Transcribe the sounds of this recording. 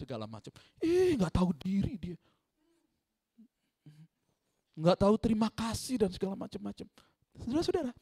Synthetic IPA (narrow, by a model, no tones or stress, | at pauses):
səɡala̰ma̰t͡ʃam | ihŋɡaʔt̪audiɾidia | ŋɡaʔt̪aut̪əɾimakasɪhdansəɡalamat͡ʃamːat͡ʃam | sədaɾasədaɾa